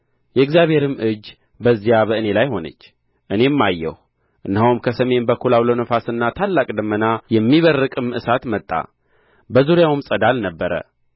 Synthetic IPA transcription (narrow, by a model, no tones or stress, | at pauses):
jɛɨɡzijaβhe̞ɾɨmːʔɨd͡ʒː | bəzːijaβəɨne̞lajho̞nə̰t͡ʃː | ʔɨne̞mːajːɛ̰h | ʔɨnːhawmkʰəsəme̞nbəkʰulawlənəfasɨnːat̪ʰalːakʼd̪əmːənajɛmːiβərːɨkʼɨmɨʔɨsat̪mət̪ʼːa̰ | bəzuɾijawmsʼəd̪alnəbːəɾə̰